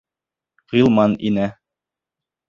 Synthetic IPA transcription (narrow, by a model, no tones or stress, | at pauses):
ʁ̥ilˠmɑnḭnæ